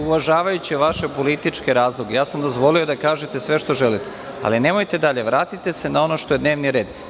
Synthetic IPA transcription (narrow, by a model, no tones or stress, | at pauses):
uʋaʒaːʋajut͡ɕieʋaʃe̞po̞lit̪it͡ʃke̞ɾaːzlˠoɡejaːsamd̪o̞zʋo̞lio̞d̪akaːʒet̪e̞sʋe̞ʃt̪o̞ʒe̞lit̪e | a̰line̞mo̞jt̪e̞d̪aʎe̞ʋɾaːt̪it̪e̞se̞nao̞no̞ʃt̪oed̪ne̞ːʋniɾe̞ːd̪